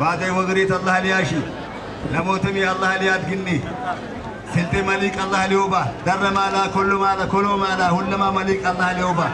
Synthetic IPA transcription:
baːd̪ɐjwɐɡɾiːt̪ɐlːɐhɐlɪjaːʃɪ | lɐmoːt̪ɛmɪjɐlːɐhɐlɪjaːd̪̚ɡɪnːɪ | sɪlt̪ʼɪmɐliːkʼɐlːɐhɐlɪjoːbad̪ɐrːɐmaːlaːkɔlːʊmaːlɐkɔloːmaːlaːhʊlːɐmaːmɐliːkʼɐlːɐhɐlɪjoːbɐ

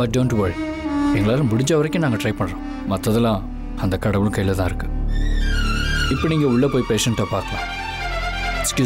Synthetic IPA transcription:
bɐʈ̚ɖoːɳʈʋɐɭ | ɛŋɡɐɭaːɾɯ̃bʊɽɪɲd͡ʒaːʋɐɾɐkʲːʊ̃naːŋɡɐʈɾɐɪpɐɳːɾõː | mɐt̪ːɐðɪlãː | ɐnd̪ɐkɐɽɐʋɯlɯ̃kɐjːɪlɐt̪ãːɪɾɯkːɯ̥ | ɪpːoniːŋɡɐʊɭːɐpoːjpeːʂɛnʈːɐpaːɾt̪ɐlã̰ | kskjuː

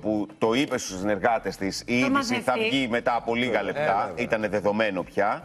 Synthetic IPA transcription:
put̪o̞ipe̞st̪usine̞ɾɣɐt̪e̞st̪isiiðisiθɐvʝime̞t̪ɐːpo̞liɣɐle̞p̚t̪ɐit̪ɐne̞ðe̞ðo̞me̞no̞pçɐ

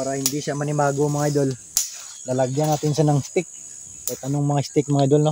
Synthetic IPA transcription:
paːɾɐhɪnd̪iʃamɐnɪmaːɡomɐŋaʔjd̪ol | nɐlɐɡjanaːt̪ɪnʃanɐŋst̪ɪk̚ | kɐjt̪ʔɐnoŋmɐŋast̪ɪk̚mɐŋajd̪olno

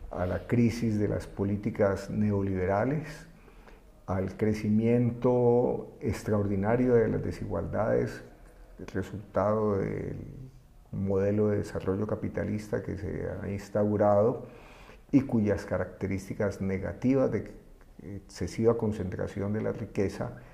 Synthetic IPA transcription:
a̰lakɾisizd̪e̞lʔa̰spo̞lit̪ikasne̞oliβ̞e̞ɾale̞s | alkɾe̞simje̞nt̪o̞ekst̪ɾaoɾd̪inaɾjo̞ðe̞la̰zd̪e̞siɣwa̰ld̪aðe̞̰s | re̞sult̪aðo̞ðḛl | mo̞ð̞e̞lo̞ðe̞ðesarʔo̞ʝo̞kapit̪a̰list̪a̰ke̞̰sḛa̰inst̪awɾaðo | ikuʝaskaɾak̚t̪e̞ɾist̪ikazne̞ɣa̰t̪iβazd̪e | ekse̞siβako̞nse̞nt̪ɾa̰sjo̞nd̪e̞la̰rike̞sa̰

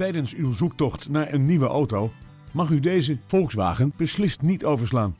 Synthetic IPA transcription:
tɛjdənsywzuk̚tɔχtnaːɹʔənːiʋəʔowtow | mɑχydejzəfɔlˠksʋa̰ːχənb̥əslɪstnitowvəɹslaːn

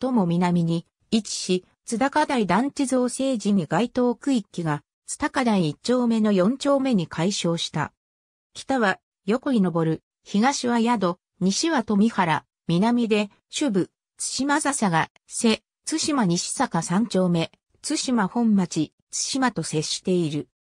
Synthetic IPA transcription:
t̪o̞mo̞mʲinamʲiɲ̟i | it͡ɕi̥ɕi | t͡sɨd̪akad̪aid̪ãɲ̟t͡ɕizoːse̞ːd͡ʑimʲiɡait̪o̞ːkɯ̟ikʲːiɡa | t͡sɨ̥t̪akad̪aiːt͡ɕo̞ːme̞no̞jõ̞ɲ̟t͡ɕo̞ːme̞ɲ̟ikʰaiɕo̞ːɕi̥t̪a̰ | kʲʰi̥t̪aβa | jo̞ko̞ɾʲino̞bo̞ɾɯ̟ | çiɡaɕiβajad̪o̞ | ɲ̟iɕiβat̪o̞mʲihaɾa | mʲinamʲid̪e̞ | ɕɨbɯ̟ | t͡sɨ̥ɕimazasaɡa | se̞ | t͡sɨɕimaɲ̟iɕi̥sakasãɲ̟t͡ɕo̞ːme̞ | t͡sɨɕimahõ̞mːat͡ɕi | t͡sɨ̥ɕimat̪o̞se̞ɕi̥t̪e̞iɾɯ̟

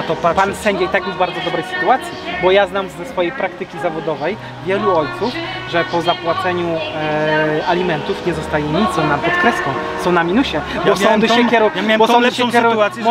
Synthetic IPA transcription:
t̪ɔppansɛɲd͡ʑejt̪akjuʒbaɾd̪zɔd̪ɔbɾɛjsɘ̥t̪uat̪sʲjibɔjaznamzɛsfɔjejpɾak̚t̪ɘkʲizavɔd̪ɔvɛj | vʲjɛluɔjt̪suf | ʐɛpɔzapwat̪sɛɲu | alʲimɛnt̪ufɲɛzɔst̪ajɛɲit̪sɔ̃wnap̪ɛt̪kɾɛskɔ̃w̃ | sɔ̃w̃namʲinuɕɛbɔsɔ̃nd̪ɨɛkʲɛɾuwmʲbɔsɔnd̪ɨɕɛkʲjɛɾuwa

